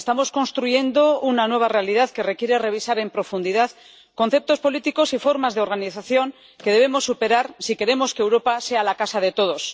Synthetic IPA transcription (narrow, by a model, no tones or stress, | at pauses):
est̪amo̞sko̞nst̪ɾuʝe̞nd̪o̞unanwe̞β̞are̞aliðaðke̞re̞kje̞ɾe̞re̞βisaɾe̞mpɾo̞fund̪iðað | ko̞n̟θe̞p̚t̪o̞spo̞lit̪iko̞sifo̞ɾmazðe̞o̞ɾɣaniθaθjo̞ŋ | ke̞ðe̞βe̞mo̞sːupe̞ɾaɾsike̞ɾe̞mo̞skeːwɾo̞pase̞alakasaðe̞t̪o̞ð̞o̞s